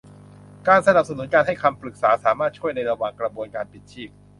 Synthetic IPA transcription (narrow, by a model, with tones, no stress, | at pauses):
kaː˧nsa˧na˨˩p̚sa˧nu˨˩˦nkaː˧nɦa˥˩jkʰa˧mpɾɯ˨˩k̚saː˩˦saː˩˦maː˥˩t̪̚t͡ɕʰu˥˩əjna˧jɾa˧waː˨˩ŋkɾa˧bu˧ənkaː˧npi˨˩t̪̚t͡ɕʰiː˥˩p̚